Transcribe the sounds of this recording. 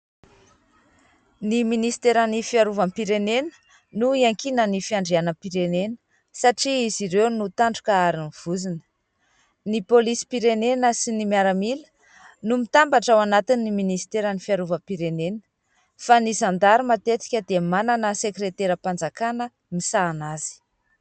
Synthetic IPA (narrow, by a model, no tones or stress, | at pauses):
niminisi̥t̪eɾanifiaɾuvampiɾenenə̥ | nuiaŋkinənifiaɳɖ͡ʐeanəpiɾenenə̥ | saʈ͡ʂiiziɾewnut̪aɳɖ͡ʐukəaɾiniv̥uzinə̥ | nipolisi̥piɾenenəsinimiaɾamilə̥ | numit̪ambaʈ͡ʂawanat̪inːiminisi̥t̪eɾanifiaɾuvəpiɾenenə̥ | fanizand̪aɾimat̪et͡s̪i̥kʲəd̪emananəsekɾet̪eɾəpand͡zakanə | misaːnazi̥